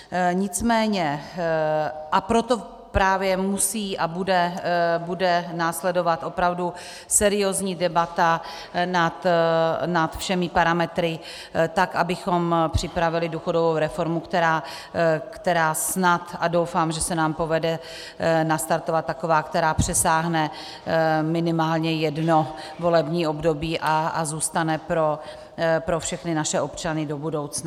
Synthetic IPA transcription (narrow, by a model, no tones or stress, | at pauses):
ɲɪt͡smɛːɲɛ | ʔapɾo̞t̪o̞ | pɾaːvjɛmusiːʔabudɛbudɛnaːslɛdo̞vat̪ʔo̞pɾavdu | sɛɾɪoːzɲiːdɛbat̪a | nat̪nat̪fʃɛmɪpaɾamɛt̪ɾɪ | t̪akʔabɪxo̞mpr̝̥ɪpɾavɪlɪduxo̞dovowɾɛfo̞ɾmukt̪ɛɾaː | kt̪ɛɾaːsnat̪adowfamʒɛsɛnaːmpo̞vɛdɛ | nast̪aɾt̪ovat̪̚ːakovaːkt̪ɛɾaːpr̝̥ɛsaːɦnɛ | mɪnɪmaːlɲɛjɛdno̞vo̞lɛbɲiːo̞bdobiːʔaazuːst̪anɛpɾo | pɾofʃɛxnɪnaʃɛʔo̞pt͡ʃanɪdo̞budo̞wt͡sna